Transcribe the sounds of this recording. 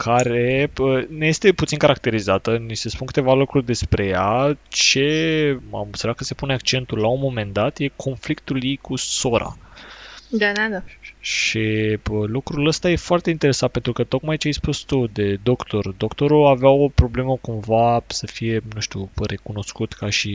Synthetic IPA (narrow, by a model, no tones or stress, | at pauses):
kʰaɾe̞əneje̞st̪e̞put̪sinkaɾak̚t̪e̞ɾizat̪ənise̞spunkɨ̥t̪e̞valukɾurʲd̪e̞spɾe̞jat͡ʃe̞a̰msəɾakːəse̞puneakt͡ʃe̞nt̪ulaunmo̞me̞nd̪at̪je̞kʰo̞nflikt̪uljijkuso̞ɾʔa̰ | d̪aaaʃiəlukɾuləst̪aje̞foart̪e̞int̪e̞ɾe̞san̚pent̪ɾukət̪o̞kmajt͡ʃeajspust̪ud̪e̞d̪o̞kt̪o̞rd̪o̞kt̪o̞ɾuaveawo̞pɾo̞ble̞məkumvasəfije̞nũʃt̪ʲure̞kuno̞skut̪kaʃi